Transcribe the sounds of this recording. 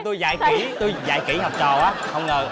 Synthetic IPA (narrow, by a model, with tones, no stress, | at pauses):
t̪u˧jza̰ː˧˩jkḭ˨˧˩t̪u˧jza̰ː˧˩˦jki˧˩˦ha˨˩wk͡p̚t͡ɕɔ˨˩ʔaː˨˦hə˧wŋ͡mŋəː˨˩